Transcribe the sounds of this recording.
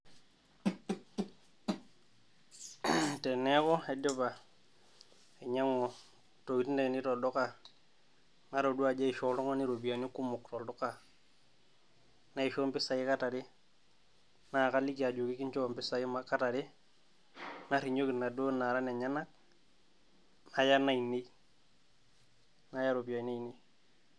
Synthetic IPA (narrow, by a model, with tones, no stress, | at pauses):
te˨ne˦kɔ˦e˨do˦ba˨ | e˨ɲa˦ŋo˨ | to˨ki˨tnde˨ki˨ni˦to˨dɔ˦ka˨ | na˦ɾo˨du˦a˨d͡ʒa˦i˨ʃo˦lɔ˦ŋa˦ni˦ɾo˨bi˨a˨ni˦ku˦mu˨kto˨ldɔ˦ka˨ | na˦i˨ʃo˦mpɪ˦sa˨jɪ˦ka˦ta˨ɾi˦ | na˦˨ka˦li˦ki˨a˨d͡ʒu˨kɪ˦ki˦nt͡ʃɔ˦˨mpɪ˦sa˨ɪ˦maka˦ta˨ɾɪ˦ | na˦ɾi˨ɲo˦ki˨tna˨do˦na˨ɾa˦nɛ˨ɲa˦na˦k̚ | na˨ja˦na˦i˨ni˦ | na˦ja˦ɾo˨bi˨a˨i˨na˦i˨ni˦